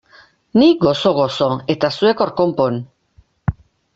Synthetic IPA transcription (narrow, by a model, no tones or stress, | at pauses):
niɡo̞so̞ɣ̞o̞so̞e̞t̪asue̞ko̞ɾko̞mpon